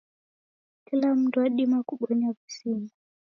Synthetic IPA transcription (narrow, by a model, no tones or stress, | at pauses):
kilam̩tuwaɗimakuɓɔɲavusimu